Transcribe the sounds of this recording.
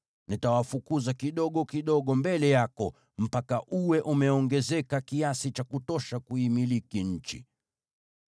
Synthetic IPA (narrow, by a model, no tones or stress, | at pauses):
nitawafukuzakiɗɔɠɔkiɗɔɠɔmbɛlɛjakɔ | m̩pakaʔuwɛʔumɛɔŋɡɛzɛkakiasit͡ʃakutɔʃakuimilikiɲ̩t͡ʃḭ